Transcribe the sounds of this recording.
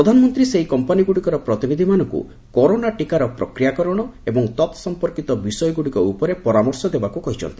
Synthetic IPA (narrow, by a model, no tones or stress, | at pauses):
ɾɔd̪ʱanɔmɔnt̪ɾiseɦikɔmpaniɡuɽikɔɾɔpɾɔt̪ibed̪ʱimanɔŋkṵ | kɔɾonaʈikaɾɔpɾɔ̰kɾijakɔɾɔɽ̃ɔebɔŋt̪ɔt̪sɔmpɔɾkit̪ɔbisɔjɔɡuɽikɔupɔɾepɔɾamɔɾsɔd̪ebakukɔɦit͡ʃʰɔ̰nt̪ii̥